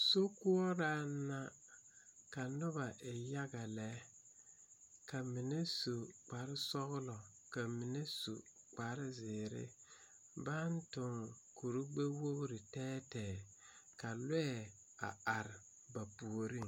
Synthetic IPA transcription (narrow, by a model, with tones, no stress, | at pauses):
so˦kʊ˦ɔ˦ɾa˦na˦ | ka˨nʊ˦ba˨ʔɪ˨ja˦ɡa˨lɛ˨˦ | ka˨mɪ˨ne˦su˨k͡pa˨ɾɪ˦sɔ˦ɣlɔ˨ | ka˨mɪ˨ne˦su˨ | k͡pa˨ɾɪ˦zɪ˨ɾɪ̰˦ | ba˦n˦tʊ˨ŋ | ku˨ɾu˦ɡ͡be˦wo˦ɣɾɪ˨tɛː˦tɛː˨ka˨le˦ɛ˨ | a̰˨a˨ɾɪ˨ | ba˨pu˨o˨ɾi˦ŋ